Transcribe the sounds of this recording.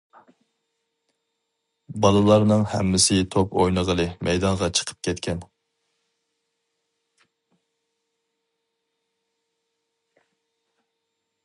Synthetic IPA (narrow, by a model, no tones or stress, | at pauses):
bɑlˠɨlˠɑɾnɨŋhɛ̰mːɪsɪt̪ʰopojnəʁəlˠɨmʔɛjd̪ɑŋʁɑt͡ʃʰə̥qʰə̥p̚kʲʰɛt̪kʲɛn